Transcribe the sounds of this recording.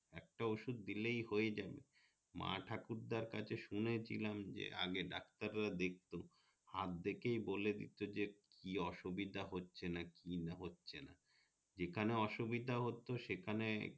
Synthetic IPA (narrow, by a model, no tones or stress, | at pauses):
ɛk̚ʈaoʃud̪̚ːilejhoed͡ʑabḛ | ma̰ʈʰakuɾd̪aɾkat͡ɕʰeʃunet͡ɕʰḭlamd͡ʑḛa̰ɡeɖak̚t̪aɾːad̪ek̚t̪o | hat̪̚d̪ekejboled̪ḭt̪od͡ʑekkiɔʃubid̪ʱaɦotːɕʰenakinɦotːɕʰena̰ | d͡ʑekʰaneɔʃubid̪ʱaɦot̪oʃekʰane